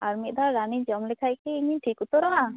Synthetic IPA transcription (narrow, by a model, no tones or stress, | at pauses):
aɾmit̪̚ˀd̪ʱaɾanid͡ʒɔmlɛkʰajkɛiɲiʈʰikut̪ɔɾɔɦa